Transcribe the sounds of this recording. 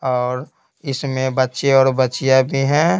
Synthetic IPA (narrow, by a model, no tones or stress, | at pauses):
ɔːɾ | ɪsmẽbətːʃeɔːɾbətːt͡ʃijabʱiɦɛ̃ː